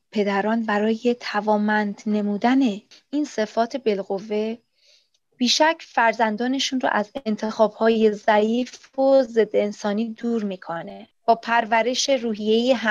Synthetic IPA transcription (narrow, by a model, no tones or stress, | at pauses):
pʰe̞d̪æɾɒːnbæɾɒːje̞t̪ʰævɒːmænd̪ne̞muːd̪æne̞inse̞fɒːt̪ʰe̞be̞lɣovːe̞ | b̥iːʃæcʰfæɾzænd̪ɒːne̞ʃuːnɾo̰ʔæzent̪ʰexɒːb̥hɒːjezæiːffoze̞d̪ːeensɒːniːd̪uːɾmiːkʰone̞ | b̥ɒːpʰæɾvæɾe̞ʃe̞ɾuːɦije̞jeɦæ